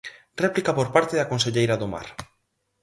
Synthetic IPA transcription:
rɛplikapoɾpaɾt̪eðakonseʎejɾaðoma̰ɾ

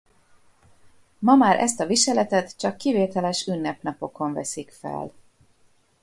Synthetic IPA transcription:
mɒmaːɾʔɛ̰st̪ɒviʃɛlɛt̪ɛt̪t͡ʃɒkːiveːt̪ɛlɛʃynːɛpn̪ɒpo̞ko̞ɱvɛ̰sikfɛ̰l

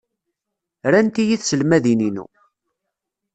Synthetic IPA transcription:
ɾænt̪ijiθsəlmæðininṵ

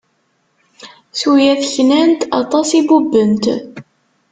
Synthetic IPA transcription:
sujæθçnænt̪ɑ̰t̪ˤɑsibubːənt̪

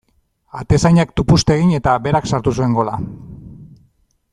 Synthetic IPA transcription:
a̰t̪e̞sajɲakt̪upust̪e̞ɣiɲe̞t̪abe̞ɾaksaɾt̪us̬ue̞ŋɡo̞la

